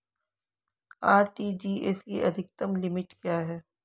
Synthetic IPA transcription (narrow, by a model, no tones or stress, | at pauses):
aːɾʈiːd͡ʒiːeːsiʔɐ̰d̪ʱɪk̚t̪əmlɪmɪʈkjaːɦɛː